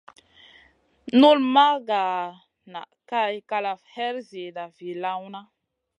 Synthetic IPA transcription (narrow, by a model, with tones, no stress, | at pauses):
nu˦lma˦ɡa˨ | na̰˨ka˦jka˧la˨fhɛ˦ɾze˨da˨vi˨la˦wna˦